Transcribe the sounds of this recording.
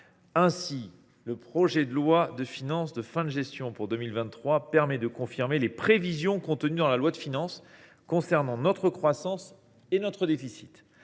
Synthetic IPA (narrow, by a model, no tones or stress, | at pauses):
ɛ̃si | ləpχɔʒɛd̪əlwad̪əfinɑ̃sd̪əfɛ̃d̪ʒɛst̪jɔ̃puʁd̪əmilvɛ̃χwapɛʁmɛd̪əkɔ̃fiʁmelepχevizjɔ̃kɔ̃t̪ənyd̪ɑ̃lalwad̪əfinɑ̃s | kɔ̃sɛʁnɑ̃nɔt̪χəkχwasɑ̃s | enɔt̪χəd̪efisi̥t̪